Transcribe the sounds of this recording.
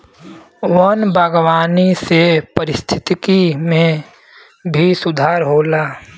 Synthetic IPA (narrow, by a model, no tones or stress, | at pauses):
ʋənbʱaːɡwaːnisepəɾɪst̪ʰɪt̪ɪkimẽ | bʱisʊd̪ʱaːɾɦoːlaː